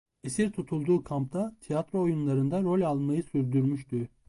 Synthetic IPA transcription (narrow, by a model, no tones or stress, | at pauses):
esiɾt̪ʰut̪ʰulˠd̪uːkʰamp̚t̪ʰat̪ʰijat̪ɾoojunlˠaɾɯnd̪aɾo̞lʲalˠmajɯsyɾd̪yɾmyʃt̪ʰy